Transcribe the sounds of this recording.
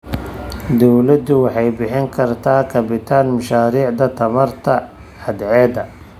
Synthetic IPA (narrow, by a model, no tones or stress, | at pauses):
d̪ɔwlɐd̪ʊwɑħɑjbɪħɪŋkʰɐrt̪ʰaːkʰɐbɪt̪ʰaːnmʊʃaːɾiːʕd̪ɐt̪ʰɐmɐrt̪ʰɐ | ɐd̪ʕɛːd̪ɐ